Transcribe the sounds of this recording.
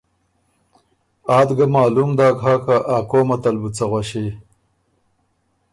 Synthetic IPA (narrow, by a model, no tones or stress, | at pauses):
aːd̪ɡamaːlumd̪aːkɦaːkaʔaːkoːmɐt̪ɐlbut͡sɐɣwaɕi